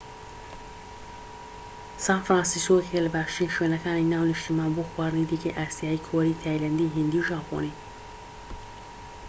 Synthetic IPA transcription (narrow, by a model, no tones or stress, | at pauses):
sãnfɾãːnsiskokʰelbaːʃinʃwenɐkaninawniʃt̪imabuxwaɾnid̪ikeʔasjaːikʰoɾit̪ʰajlɐnd̪iɦind̪iʒãːpʰo̰ni